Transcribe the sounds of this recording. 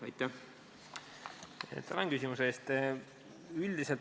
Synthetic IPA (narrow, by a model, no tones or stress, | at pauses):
ɑjt̪ˑːæh | t̪ælɑnkysʲimuseeːst̪ | yld̪iselt̪